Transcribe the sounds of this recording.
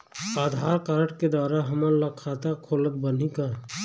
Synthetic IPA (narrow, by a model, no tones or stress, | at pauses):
aːd̪ʱaːɾkaɾəʈked̪waːɾaɦɐmənləkʰaːt̪akʰoːlək̪̚bən̤ika